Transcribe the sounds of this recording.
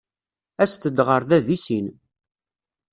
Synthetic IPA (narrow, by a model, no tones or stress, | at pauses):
æst̪əd̪ʁəɾðæðisin